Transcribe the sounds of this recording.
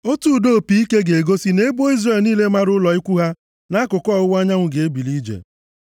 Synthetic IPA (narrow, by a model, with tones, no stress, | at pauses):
o˦tu˦˨do˦˨pi˨i˦ke˦ɡe˨e˨ɡo˦si˦ne˦bo˦i˦zre˨lniː˦le˦ma˦ɾʊ˦lɔ˨i˦kʷu˦ɦa˦ | na˦kʊ˨kɔ˦˨ʊ˦wa˦ɲa˦ŋʷʊ˨ɡe˨e˦bi˨li˦d͡ʒḛ˨